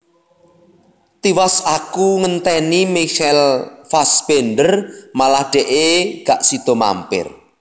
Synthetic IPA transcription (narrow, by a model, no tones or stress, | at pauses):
t̪iwasakuŋənt̪ɛnimiʃɛlfasbenɖərmalahɖ̥ɛʔeɡ̥aʔsid̪̥ɔ̤ma̰mpɪ̰r